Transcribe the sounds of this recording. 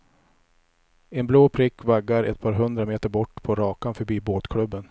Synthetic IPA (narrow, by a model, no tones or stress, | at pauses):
ɛnbloːpʰɾɪkːvaɡːaɾɛ̰t̪̚pʰɑːɾɦɵnd̪ɾameːt̪əɾbɔʈːpʰɔɾɑːkanfœɾbiːboːt̪kʰɽɵbːən